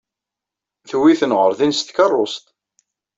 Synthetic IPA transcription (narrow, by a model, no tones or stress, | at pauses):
θwːiθənʁəɾðinst̪kɑrˤːost̪